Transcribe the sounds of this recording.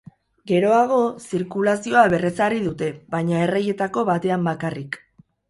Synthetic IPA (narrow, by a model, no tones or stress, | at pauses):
ɡe̞ɾo̞aɣ̞o̞siɾkulasio̞aβe̞re̞sariðut̪e̞βajɲae̞reje̞t̪ako̞βat̪e̞ambakarik